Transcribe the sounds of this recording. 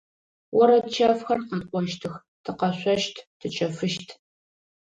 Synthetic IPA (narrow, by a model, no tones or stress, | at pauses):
wɔɾɐtt͡ʃʰɐfxɐrqɐtʼqʷʼɔʃtʰɨx | tʰɨqɐɕʷɐʃtʰtʰɨt͡ʃʼɐfɨʃtʰ